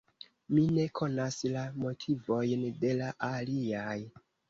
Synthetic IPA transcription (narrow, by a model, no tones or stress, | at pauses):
mine̞kʰo̞naslamo̞tʰivo̞jnde̞laʔaliaj